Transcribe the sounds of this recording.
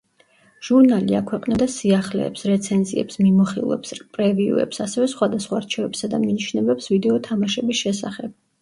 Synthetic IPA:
ʒ̥uɾnalia̰kʰwɛqʼnɛd̪asiaχlɛ̰ːpsɾɛt̪sʰɛnziɛ̰psmimɔχilˠɛ̰pspʼɾɛviṵɛ̰psasɛvɛsχwad̪asχwaːɾt͡ʃʰɛvɛpsad̪aminiʃnɛbɛpsvid̪ɛɔt̪ʰamaʃɛbisʃɛsaχɛb̥

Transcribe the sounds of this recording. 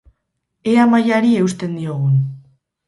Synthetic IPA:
eamajaɾie̞wst̪e̞nd̪ioɣ̞un

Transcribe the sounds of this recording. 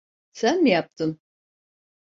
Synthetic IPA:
sænmijap̚t̪ʰɯm

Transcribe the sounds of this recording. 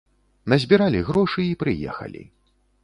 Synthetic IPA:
nɐzʲbʲiɾalʲiɣɾɔʂɨipɾɨjɛ̰xɐ̰lʲḭ

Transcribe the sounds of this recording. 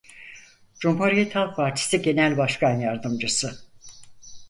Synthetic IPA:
d͡ʒumɦuɾijɛt̪halˠk̚pʰaɾt̪ʰi̥siɟe̞nælʲbaʃkʰanjaɾd̪ɯmd͡ʒɯsɯ

